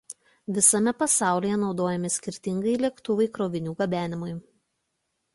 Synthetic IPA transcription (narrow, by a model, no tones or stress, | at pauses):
ʋʲɪsɐmʲɛpɐsɑˑʊlʲiːjɛnɒʊd̪oːjɛmʲɪsʲkʲɪɾʲt̪ʲɪŋɡɐɪlʲiɛkt̪ʊʋɐɪkɾoːʋʲɪnʲuːɡɐbʲæːnʲɪmʊɪ